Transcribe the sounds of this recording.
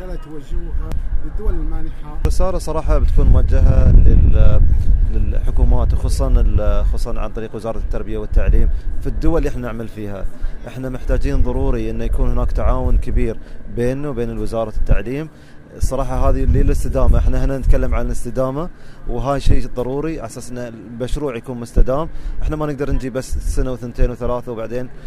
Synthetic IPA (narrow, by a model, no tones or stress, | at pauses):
at̪wad͡ʒːhad̪ːʊwalanħaɾɪsɑːɾɑsˤɑɾˤɑːħɑbɪt̪kuːnmʊwad͡ʒːaɦalɪl | lɪlħʊkuːmaːt̪wxɑsˤːɑnxɑsˤːɑnʕa̰nt̪ˤɑɾiːqwɪzɑːɾˤɑt̪ːɑɾˤbɪjawɪt̪ːaʕliːmfid̪ːʊwalːiʔɪħnanɪʕmalfiːha̰ʔɪħnamɪħt̪aːd͡ʒiːnðˤɑɾˤuːɾiʔɪnːujakuːnhʊnaːkt̪aʕaːwʊnkɪbiːɾbeːnːuwbeːnɪlwɪzɑːɾˤɑt̪ːaʕliːm | sˤɑɾˤɑːħɑɦaːðililɪst̪ɪd̪aːmaʔɪħnahɪnanɪt̪kalːamʕanalɪst̪ɪd̪aːmawɦaːjʃiːðˤɑɾˤuːɾiʔaħsaːsʔɪnːa | lmaʃɾuːʕjakuːnmʊst̪ad̪aːmʔɪħnamanɪɡ̚d̪ɑɾˤnd͡ʒiːbasːsanawθɪnt̪eːnwθalaːθawbaʕd̪eːn